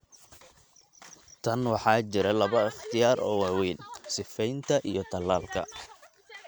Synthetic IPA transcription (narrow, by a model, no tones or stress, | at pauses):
t̪ʰɐnwɑħɑːt͡ʃɪɾɛlɐβɐɪχt̪ʰɪjaːrɔːwɑːwiːnsɪfɛjnt̪ʰɐʔijɞt̪ʰɐlːaːlkʰɐ̰